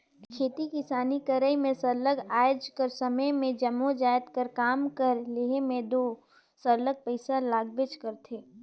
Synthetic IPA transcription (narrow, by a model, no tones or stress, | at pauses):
kkʰeːt̪ikɪsaːnikəɾəjmẽsɐɾləɡaːjd͡ʒkəɾsɐməjmẽd͡ʒɐmod͡ʒaːjt̪kəɾkaːmkəɾleɦemẽd̪oː | səɾləɡ̚pəɪsalaːɡbɪt͡ʃkəɾt̪ʰeː